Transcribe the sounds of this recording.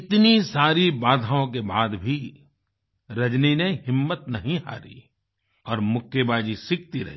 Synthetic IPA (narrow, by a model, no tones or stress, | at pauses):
ɪt̪nisaːɾibaːd̪ʱaːõk̬ebaːd̪bʱi | ɾɐd͡ʒnineɦɪmːət̪nɐɦĩɦa̰ːɾḭ | ɔːɾmʊkʰjebaːd͡ʒisɪk̚t̪iɾɐ̰ɦiː